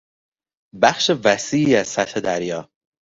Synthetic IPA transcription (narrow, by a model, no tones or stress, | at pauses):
bæxʃevæsiːiːæzsæt̪hed̪æɾjɒː